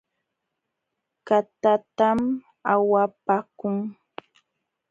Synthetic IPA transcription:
kat̪at̪am | awapakʊŋ

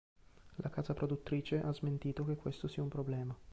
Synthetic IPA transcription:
lʔakaːzapɾod̪ut̪ːɾiːt͡ʃeʔazment̪iːt̪ok̟ekːwest̪osiːaumpɾoblɛːma

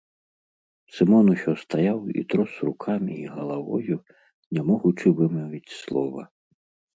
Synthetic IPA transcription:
sɨmɔnuɕɔst̪ajawḭt̪ɾɔsrukʰamʲiːɣɐlˠavɔ̰ju | nʲamɔɣut͡ʂɨvɨmɔvʲit͡sʲslˠɔvɐ

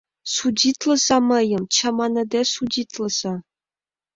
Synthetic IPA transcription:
sudʲit̪lˠɤ̆zɑmɤ̆jɤ̆mt͡ɕɑmɑnɤ̆d̪ʲesudʲit̪lˠɤ̆z̥ɑ

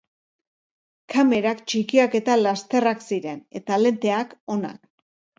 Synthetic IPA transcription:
kame̞ɾakt͡ʃikiake̞t̪alast̪e̞raksiɾe̞ne̞t̪ale̞nt̪e̞ako̞na̰k

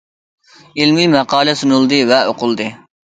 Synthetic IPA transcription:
ilmimɛqɑːlɛsunulˠd̪ɨvɛoqʊlˠd̪ɨ

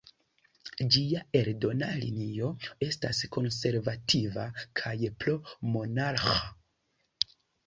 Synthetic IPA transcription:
d͡ʒiae̞ɾdo̞nalḭnio̞e̞stasko̞nse̞ɾvatʰivakʰajplomo̞naɾxa

